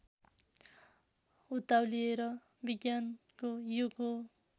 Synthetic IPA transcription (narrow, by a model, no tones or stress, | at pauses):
ut̪awlieɾʌ | biɡjankojuɡo